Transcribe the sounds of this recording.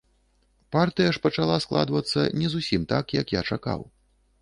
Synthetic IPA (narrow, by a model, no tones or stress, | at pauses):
part̪ɨjɐʂpɐt͡ʂalˠasklˠa̰d̪vɐt̪sːɐ̰nʲɛzusʲimt̪akjɐkjat͡ʂaka̰w